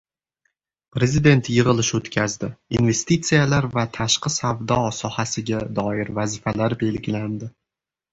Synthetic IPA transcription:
pɾe̞zid̪e̞nt̪ʰjɨʁɨlˠɪʃot̪kʲʰazd̪ɪinve̞st̪it̪sijalaɾvat̪ʰaʃqɨsavd̪ɒsɒhasɪɡʲad̪ɒɪɾvazɪfalaɾbe̞lɡʲɪland̪ɪ

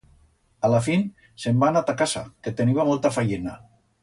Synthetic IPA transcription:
alafin | sembanat̪akasa̰ket̪eniβamolˠt̪afajena

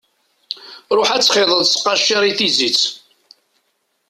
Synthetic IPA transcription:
ɾˤoħæt͡sːχɪðˤəðˤsqːɑʃːiɾˤiθizit͡sː

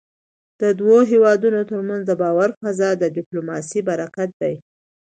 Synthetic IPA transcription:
d̪̥əd̪woɦewɑd̪unot̪əɾmanzd̪əbɑwaɾfazɑd̪əɖɪplomɑsibaɾakat̪̚d̪aj

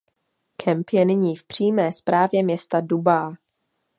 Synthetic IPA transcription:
kʰɛmpjɛnɪɲiːfpr̝̥iːmɛːspɾaːvjɛmɲɛst̪adubaː

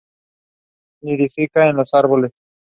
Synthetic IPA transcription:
niðifikaenlo̞saɾβoles

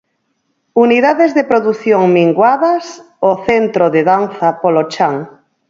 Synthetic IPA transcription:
uniðaðezðepɾoðuθjoŋmiŋɡwaðɐs | oθent̪ɾoðeðanθapolot͡ʃaŋ

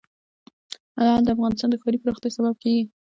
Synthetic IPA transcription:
had̪ald̪əafɣɑnɪst̪ɑnd̪əxɑɾipəɾoxt̪jɑsabab̚kaɡi

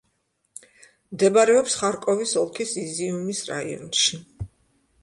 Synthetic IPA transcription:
md̪ɛbaɾɛɔpsχaɾkʼɔvisɔlˠkʰisiziumisɾa̰ḭɔ̰nʃi

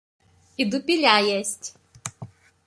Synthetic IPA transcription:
id̪ʊpʲilʲajɛsʲtʲ

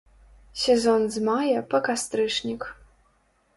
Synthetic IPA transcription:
sʲɛzɔnzmajɐpɐkast̪ɾɨʂnʲik

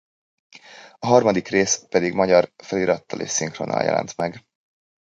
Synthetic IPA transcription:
ɒɦɒrmɒd̪ikreːspɛd̪iɡmɒɟɒrfɛliɾɒt̪ːɒlḛːʃsiŋkroːnɒ̰ljɛ̰lʔɛ̰nt̪mɛɡ

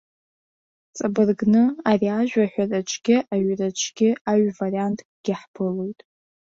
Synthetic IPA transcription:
t͡sʼabɨrɡnɨariaʒᶣʷaħᶣʷarat͡ʃʷʰɡʲɪʔaɥrat͡ʃʷʰɡʲɪaɥvariantʰʼɡ̥ʲɪħpʰɨlojtʼ

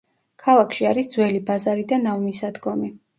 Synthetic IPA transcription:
kʰalˠakʰʃiaɾisd̪zwɛlibazaɾid̪anavmisad̪ɡɔmi

